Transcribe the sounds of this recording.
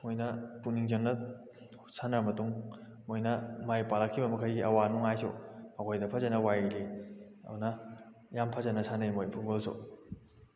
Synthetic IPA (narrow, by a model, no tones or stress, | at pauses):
mojnɐpuniŋzɐŋnɐ | sʰanamɐtuŋmojnɐmajpalɐkʰːibɐmɐkʰajɡiʔɐwanuŋajso̰ɐkʰojdɐpʰɐzɐnɐwajili | ɐ̰nɐ | jampʰɐzɐnɐsʰanɐjmojpʰubolso̰